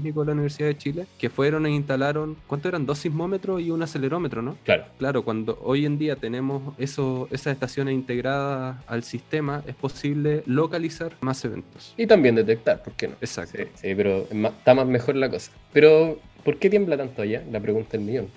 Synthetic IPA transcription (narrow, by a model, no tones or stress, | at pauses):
nik̬oðelauniβe̞ɾsiðaðet͡ʃilekefwe̞ɾo̞neinst̪alaɾo̞ŋkwant̪oeɾand̪o̞simo̞me̞t̪ɾosiunasele̞ɾo̞me̞t̪ɾonoklaɾoklaɾokwand̪o̰ʔojend̪iat̪ene̞mosesoesaseht̪asjo̞nesint̪eɣɾaðaa̰lsist̪e̞maʔespo̞siβle̞lo̞kalisaɾmase̞βḛnt̪o̥sit̪ambjend̪et̪ek̚t̪aɾpoɾkeno̰esa̰k̚t̪sipeɾoemat̪amazme̞xoɾlakosḁpeɾopoɾket̪jemblat̪ant̪oajalapɾeɣunt̪aelmijon